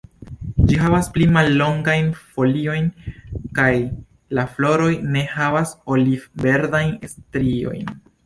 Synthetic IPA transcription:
d͡ʒiɦavasplimalːo̞ŋɡajnfo̞lio̞jnkaj | laflo̞ɾo̞jne̞havasolive̞ɾdajnestɾio̞̰jn

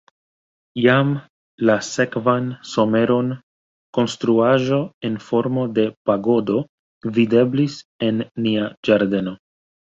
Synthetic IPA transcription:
jam | lase̞kvanso̞me̞ɾo̞n | ko̞nst̪ɾuaʒo̞e̞nfo̞ɾmo̞de̞paɡo̞do | vide̞blise̞nːiad͡ʒaɾde̞no̞

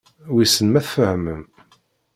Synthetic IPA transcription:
wisənmæθfəhməm

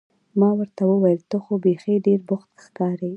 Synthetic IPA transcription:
mɑwəɾt̪awəwajəlt̪əxobexeɖeɾbʊxt̪xkɑɾe

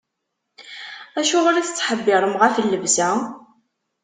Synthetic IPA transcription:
æʃʊʁʊɾæθə̥t͡sːħəbːɪɾˤəmʁafəlːəvsæ

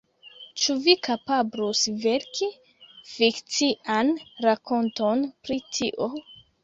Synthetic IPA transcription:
t͡ʃuvikapablusve̞ɾki | fikt͡siʔanɾakʰo̞nto̞npɾitʰiʔo

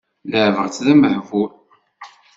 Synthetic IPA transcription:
ləʕvəɾt͡sːðæməħvul

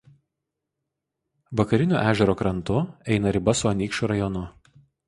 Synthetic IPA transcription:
ʋɐkɐɾʲɪnʲo̰ːʔæːʒʲɛɾoːkɾɐnt̪ʊɛɪnɐɾʲɪbɐsʊɐnʲiːkʃʲʊɾɐjɔnʊ

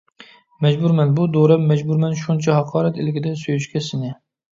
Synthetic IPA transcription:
mɛd͡ʒbuɾmɛnbud̪oɾɛmɛd͡ʒbuɾmɛnʃunt͡ʃʰɛɦɑqʰɑːɾɛt̪ɪlɪɡʲɪd̪ɛsøjyʃkʲɛsɪnɪ

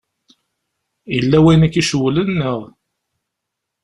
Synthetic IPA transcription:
jəlːæwæjnækːiʃwlənːəʁ

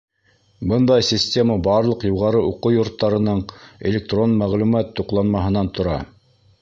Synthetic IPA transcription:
bɤnd̪ɑjsʲɪsʲtʲe̞məbɑɾlˠɤqjuʁɑɾɤʔuquwjŏɾt̪ːɑɾɤ̆nɤɴḛlʲek̚t̪ro̞nmæʁlʉmæt̪ːuqlˠɑnmɑɦɤ̆nɑnt̪ʰŏɾɑ

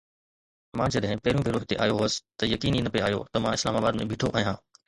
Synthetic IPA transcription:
mãd͡ʑɐɗɦɪ̃pɐːɾijũbʱeɾoːɦɪt̪eʔa̰ːjoɦosɪ̥t̪ɐjɐkiːniːnɐpeaːjo̰t̪ɐmãɪslaːmaːbaːd̪mẽbʱɪːʈʰoʔaːijãː

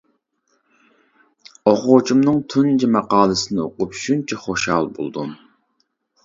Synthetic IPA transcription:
oχot͡ʃʰumnɨŋt̪ʰund͡ʒɛmɑqɑːlˠɨsɪnɪoqʊpʃunt͡ʃʰɛχoʃhɑ̰lˠbo̰lˠd̪um

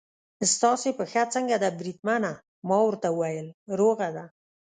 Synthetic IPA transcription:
st̪ɑsepəxat͡səŋɡad̪abɾid̪̚mana | mɑwəɾt̪aəwajəlɾoɣad̪a

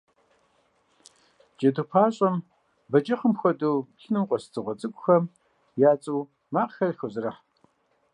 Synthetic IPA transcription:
d͡ʒɐdupʰaːɕʼɐm | bɐd͡ʒɐχəmxʷɔduːtɪnɨmqʷʼɔstʰɨʁʷɔt͡sʼɨkʷʼʊxɐm | jaːt͡sʼuː | maːqxɐrxɐzɨrɐħ

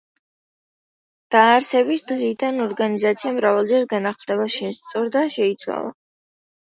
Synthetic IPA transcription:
d̪̥aːɾsɛbisd̪ʁid̪anɔɾɡanizat̪sʰiamɾavalˠd͡ʒɛɾɡanaχmd̪ɛβaʃɛst̪sʼɔɾd̪aʃɛit̪sʰwa̰lˠa̰

